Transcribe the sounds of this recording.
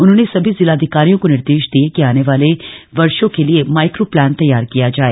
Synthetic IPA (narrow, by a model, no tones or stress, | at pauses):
ʊn̤õːnesɐbʱizɪlaːd̪ʱɪkaːɾijõkonɪɾd̪eːʃd̪iekiaːneːʋaːleʋɐɾʃõkelɪemaːɪkɾoːplɛːnt̪ɐjːaːɾkijaːd͡ʒaːeː